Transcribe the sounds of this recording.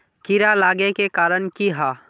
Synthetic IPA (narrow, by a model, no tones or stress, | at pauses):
kɪɾalaːɡekekaːɾənkiɦaː